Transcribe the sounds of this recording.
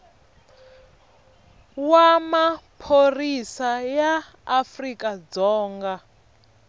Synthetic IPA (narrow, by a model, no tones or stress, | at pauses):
wamapʰorisajaː | frikʼad͡zɔːŋɡa